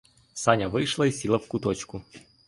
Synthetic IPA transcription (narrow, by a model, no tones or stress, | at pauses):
sanʲɐʋɨjʂlˠɐisʲilˠɐwkʊt̪ɔt͡ʃkʊ